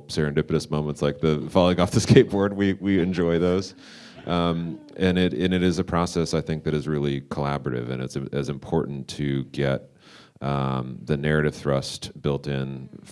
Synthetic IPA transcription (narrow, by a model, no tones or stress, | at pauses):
sɛɹɨ̃ndɪpɨɾɨsmõʊ̃mə̃ntslaɪk̚ðɨfɑlˠoɪ̃ŋɔfðɨskeɪt̚b̥ɔɹd̚wiwiɨ̃nd͡ʒɔɪðoʊz̥ | ʔʌ̃mʔɨ̃nɪɾɨ̃nɨɾɨzɨpʰɹ̥ɑsɛsaɪθɪ̃ŋk̚ðɨɾɨzɹɪlˠikʰəlæbə˞ɨɾɨ̰vɨ̰̃nɨ̰tsɨ̃ɨzɨ̃mpʰɔɹʔn̩tʰɨɡɛt̪̚ | ʌ̃mðɨnɛɹɨɾɨv̥θɹʌstb̥ɪlˠtɪ̃n